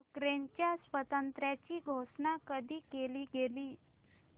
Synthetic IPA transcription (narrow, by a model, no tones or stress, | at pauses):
ukɾent͡ɕjasʋət̪ənt̪ɾjat͡ɕiːɡʱoʂnakəd̪ʱiːkeliːɡeliː